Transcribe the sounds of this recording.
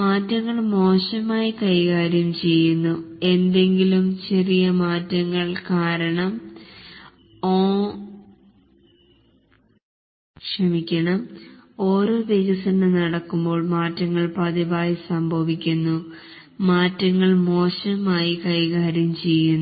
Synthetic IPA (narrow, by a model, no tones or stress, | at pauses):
maːtːɐŋːɐɭmo̞ːɕɐmaːjikɐjɣaːɾjɐmt͡ɕe̞jːunːue̞nd̪e̞ŋɡilumt͡ɕerijɐmaːtːɐŋːɐɭkaːɾɐɳɐm | oː | kʂɐmikʲːɐɳɐmo̞ːɾo̞ːʋeɣɐsɐnɐnɐɽɐkːumbo̞ːɭmaːtːɐŋːɐɭpɐðiʋaːjisɐmbʱɐʋikʲːunːu | maːtːɐŋːɐɭmo̞ːɕɐmaːjikɐjɣaːɾjɐmt͡ɕe̞jːunː